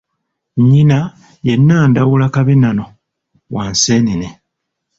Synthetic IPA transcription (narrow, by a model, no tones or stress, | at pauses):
ɲːina | jenːaːndawulakaβinano | waːnseːnine